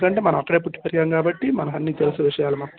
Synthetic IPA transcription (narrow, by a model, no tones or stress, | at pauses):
ɐɳʈeːmɐnɐmɐkːɐɽe̞ːpuʈːi̥pɐɾiɡaːmkaːbɐʈːimɐnɐmɐnːiːt̪elusuɐʋiʂɐjaːlumɐt̪ː